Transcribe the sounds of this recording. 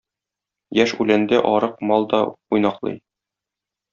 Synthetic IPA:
jæʃʉlænd̪ɘʔɒɾɤq̚mɒlˠd̪ɒujnɑqlˠɤ̰j

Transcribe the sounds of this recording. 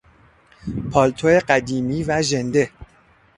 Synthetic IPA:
pʰɒːlt̪ʰoe̞ɢæd̪iːmiːvæʒe̞nd̪e̞

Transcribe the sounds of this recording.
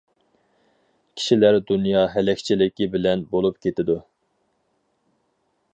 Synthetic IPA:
kʲʰi̥ʃilæɾd̪unjɑɦɛlɛkʲt͡ʃʰilɪkʲibɪlɛnbolˠupkʲʰet̪ɪd̪u

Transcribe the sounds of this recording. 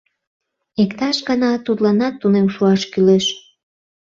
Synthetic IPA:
ekt̪ɑʃɡɑnɑt̪ut̪lɑnɑt̪ːunemʃuɑʃkyleʃ

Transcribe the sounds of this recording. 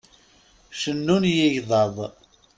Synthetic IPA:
ʃənːunjɪʝðˤɑðˤ

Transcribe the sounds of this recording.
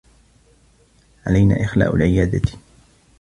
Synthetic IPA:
ʕalajna̰ːʔɪxla̰ːʔʊ̰lʕɪjaːd̪at̪

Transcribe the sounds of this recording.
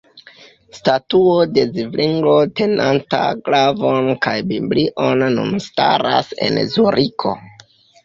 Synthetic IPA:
statuode̞zivliŋɡlo̞te̞nanta̰ɡlavonkajbibliʔonːṵnstaɾase̞̰nzuɾʔikʰo̞̰

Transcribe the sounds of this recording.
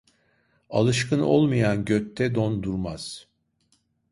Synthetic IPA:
alˠɯʃkɯno̞̰lˠmajanɟøt̪ʰːɛd̪ond̪uɾmaz̥

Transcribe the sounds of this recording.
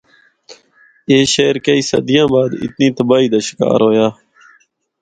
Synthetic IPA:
eːʃeːɾkəiːsə̰d̪ɪjãːbaːd̪ɪ̰t̪nĩːt̪əbaːiːd̪əʃka̰ːɾoːjaː

